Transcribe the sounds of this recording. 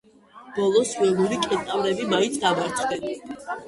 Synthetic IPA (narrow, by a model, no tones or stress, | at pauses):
b̥ɔlˠɔswɛlˠuɾikʼɛt̪ʼavɾɛbimaint̪sʰd̪avaɾt̪ʰχd̪ɛn